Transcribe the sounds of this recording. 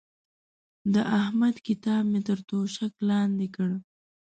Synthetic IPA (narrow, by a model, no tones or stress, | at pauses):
d̪əʔahmad̪kɪt̪ɑb̚met̪əɾt̪oʃaklɑnd̪ekəɽ